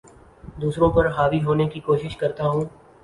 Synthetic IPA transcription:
d̪uːsɾõpɐɾɦaːʋiɦoːnekikoːʃɪʃkɐɾt̪aɦũː

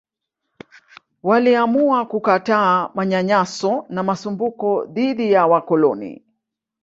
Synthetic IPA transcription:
waliamuakukataːmaɲaɲasɔnamasumbukɔðiðijawakɔlɔnḭ

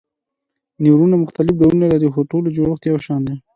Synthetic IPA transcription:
niwɾunamʊxt̪alɪfɖaunalaɾixoʈolod͡ʒoɽoxt̪jawʃɑnd̪e

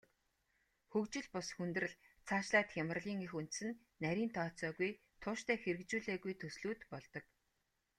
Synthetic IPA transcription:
xɵkt͡ɕɪ̆ɮpʊsxunt̪rɘ̆ɮt͡sʰaːʃɮaːt̪xʲamərɮiːŋixunt̪̆sɘ̆nːæɾʲiːnt̪ʰɔːt͡sɔːɣuj | t̪ʰʊːʃt̪ʰæːxeɾɘ̆k̚t͡ɕuːɮeːɣujt̪ʰɵsɮuːt̪pɔɮt̪ɞ̆k

